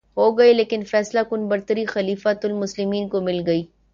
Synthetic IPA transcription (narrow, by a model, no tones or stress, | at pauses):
ɦoːɡɐeleːkɪnfɛːslakʊnbɐɾt̪əɾixɐliːfat̪ʊlmʊslɪmiːnkomɪlɡɐiː